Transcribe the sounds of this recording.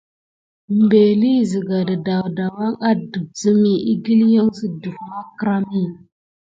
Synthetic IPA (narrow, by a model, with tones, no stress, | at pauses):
m˨be˨li˦˨zi˨ɡa˨da˨da˨wda˨wa˦ŋa˦du˨b̚zə˦mi˨ʔi˦ɡi˦lja˦ŋsi˨du˨fma˦kɾa˦mi˦˨